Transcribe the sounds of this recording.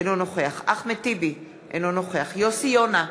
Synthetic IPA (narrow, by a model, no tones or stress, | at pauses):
enonoχeaχaχmet̪ibi | ʔenonoχeaχjosijona